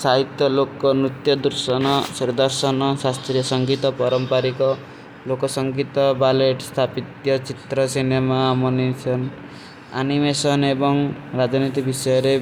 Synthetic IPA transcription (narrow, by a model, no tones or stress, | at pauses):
saɦit̪jɔlokɔmɾut̪jɔd̪uɾsɔnɔsiɾd̪ɔɾsɔnɔsast̪ɾijɔsɔŋɡit̪ɔpɔɾɔmpaɾikɔ | lokɔsɔŋɡit̪ɔbaleʈst̪ʰapit̪jɔt͡ʃit̪ɾɔsinemaːmɔnisɔn | a̰nimesɔnebɔŋɾad͡ʒɔnit̪ibisɔjɔɾe